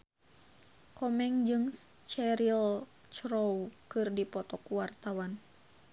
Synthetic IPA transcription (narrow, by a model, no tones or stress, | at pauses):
kɔmɛŋd͡ʒɨŋt͡ʃɛɾil | t͡ʃɾɔwkɨrdipɔt̪ɔkuwart̪awan